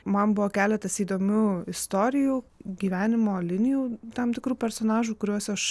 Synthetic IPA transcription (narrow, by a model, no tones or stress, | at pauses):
mɐnbʊʋoːkʲæːlʲɛt̪ɐsiːd̪oːmʲuːɪst̪oːɾʲɪjuːɡʲiːʋʲæːnʲɪmoːlʲɪnʲɪjuːt̪ɐmt̪ʲɪkɾuːpʲɛɾsoːnɑːʒuːkʊɾʲuɔsɐʃ